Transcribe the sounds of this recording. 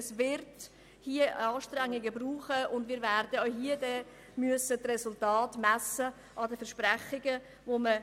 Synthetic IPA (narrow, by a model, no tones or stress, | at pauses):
svɪɾt | hiəɑːʃtɾæŋːɪɡəbruːχəʊndmɪːɾvæɾdəoɦiədɛ | myəsətrɛsʊltɑːtmæsə | ɑdəfɛɾʃpræχɪɡə | vomə